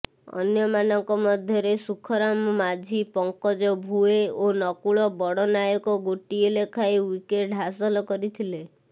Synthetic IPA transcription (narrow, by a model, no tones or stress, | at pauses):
ɔ̰njɔmanɔŋkɔmɔd̪ʱjɔɾesukʰɔɾamɔmad͡ʒʱipɔŋkɔd͡ʒɔbʱueonɔkuɭɔbɔɽɔnajɔkɔɡoʈielekʰajwikeʈɦasɔlɔkɔɾit̪ʰile